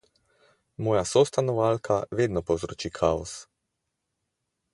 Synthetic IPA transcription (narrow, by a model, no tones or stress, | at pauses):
mɔːjasɔst̪anɔʋalkʰaʋeːd̪nɔpɔwzɾoːt͡ʃiːkʰaɔs